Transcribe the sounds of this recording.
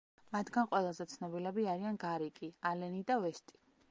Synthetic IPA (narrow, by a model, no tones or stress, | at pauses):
mat̪ʰɡanqʼwɛlˠazɛt̪sʰnɔbilɛbiaɾianɡaɾikʼialɛnid̪avɛst̪ʼi̥